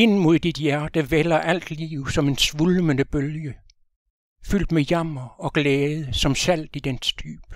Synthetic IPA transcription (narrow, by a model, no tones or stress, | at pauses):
e̝nmo̝ð̞̰ˠd̥id̥jæɐd̥əʋelɐʔæl̰d̥lḭːʊsɒ̽me̝nsʋulmənəb̥øljə | fyl̰d̥mejæm̰ɐɒ̽ɡ̥lɛːð̞ˠəsɒ̽msæl̰d̥id̥ensd̥y̰ːb̥